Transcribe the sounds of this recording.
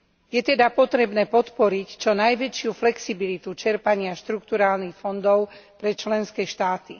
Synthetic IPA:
jɛt̪ɛd̪apɔt̪ɾɛbnɛːpɔt̪pɔɾict͡ʃɔnajʋɛt͡ʃɪuflɛksibilit̪ut͡ʃɛɾpaɲɪaʃt̪ɾuk̚t̪uɾaːlnixfɔnd̪ɔʊpɾɛt͡ʃlɛnskɛːʃt̪aːt̪i

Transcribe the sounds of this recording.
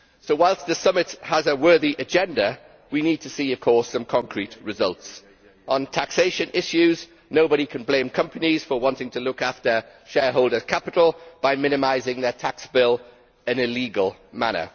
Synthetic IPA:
soʊwaɪlˠsðəsʌmɪthəzəwɜːðiʔəd͡ʒɛ̃ndə | winiːd̚tʰəsiːəv̥kʰɔˑsə̃mkʰɒ̃ŋkʰɹiʔɹɪzʌ̰lˠts | ʔə̃ntʰakseɪʃə̃nʔɪʃʉz | noʊbəɾikʰə̃nblẽɪ̃mkʰʌ̃mpəniz̥fəwɒ̃ntɪ̃ŋtʰəlʊkaftə | ʃɛːɦoʊlˠdəz̥kʰapɪtˡl̩ˠb̥aɪmɪ̃ñɪmaɪzɪ̃ŋðətʰaksb̥ɪl | ɪ̃nɪliːɡəlˠma̰ñə̰

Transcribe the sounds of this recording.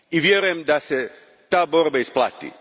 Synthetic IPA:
iʋjeɾujemd̪ase | t̪aːbo̞ɾbaisplˠa̰ːt̪ḭ

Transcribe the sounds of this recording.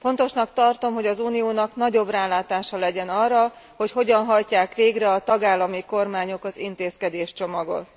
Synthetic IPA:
fo̞nt̪o̞ʃnɒkt̪ɒrt̪o̞mɦo̞ɟɒzuːnijoːnɒknɒɟo̞braːlaːt̪aːʃɒlɛɟɛnɒrːɒ | ho̞cho̞ɟɒnɦɒjcaːkʋeːɡrɛɒt̪ɒɡaːlːɒmiko̞rmaːɲo̞kɒzḭnt̪eːskɛd̪eːʃt͡ʃo̞mɒɡo̞̰t̪

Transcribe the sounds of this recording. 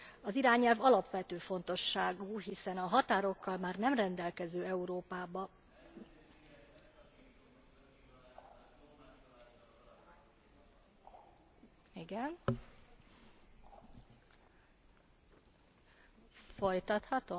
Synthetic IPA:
ɒziɾaːɲɛlvɒlɒpʋɛt̪øːfo̞n̪t̪o̞ʃːaːɡuɦisɛnɒɦɒt̪aːɾo̞kʰːɒlmaːrnɛmrɛnd̪ɛlkɛzøːɛuɾoːpaːbɒ | iɡɛn | fo̞jt̪ɒt̪hɒt̪o̞

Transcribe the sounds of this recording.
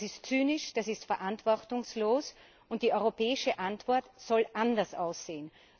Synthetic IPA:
sɪstt͡syːnɪʃd̥asɪstfɛɐʔantv̥ɔɐtʊŋsloːs | ʊnt̚d̥iːʔɔʏʁopɛːɪʃəʔantv̥ɔɐtz̥ɔlʔandɐsʔaʊsz̥eːən

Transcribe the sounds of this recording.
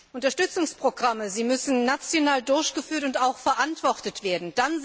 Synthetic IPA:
ʔʔʊntɐʃtʏt͡sʊŋspʁ̥oɡʁaməziːmʏsn̩ːat͡sjonaːldʊɐçɡ̥əfyːɐtʊntaʊxfɛɐʔantv̥ɔʁtətv̥eːɐdn̩d̥an

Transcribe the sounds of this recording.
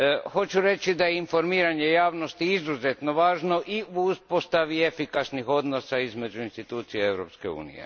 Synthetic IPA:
xo̞t͡ɕuɾe̞t͡ʃid̪ajeinfo̞ɾmiːɾaɲe̞jaːʋno̞st̪iizuze̞t̪no̞ʋaːʒno̞ʔiuuspo̞st̪aʋie̞fikasnixo̞d̪no̞saizme̞d͡ʒuinst̪it̪uːt̪sijeeʋɾopskeṵːnḭjḛ

